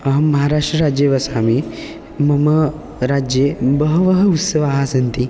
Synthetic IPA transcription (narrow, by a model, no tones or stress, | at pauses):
ɐɦamːɐɦaɾaʂʈɾəɾad͡ʑjeʋɐsami | mɐmə | ɾad͡ʑjebəɦəʋəɦəut̪səʋaɦasɐnt̪i